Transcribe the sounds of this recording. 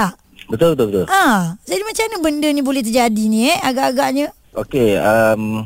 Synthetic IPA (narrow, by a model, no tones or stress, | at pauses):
taʔ | bət̪ʊlbət̪ʊlbət̪ʊlãd͡ʒadimat͡ʃanəbəndənibolɛht̪̬ərd͡ʒadinĩɛaɡaʔaɡaʔɲə̃ | ʔokeəm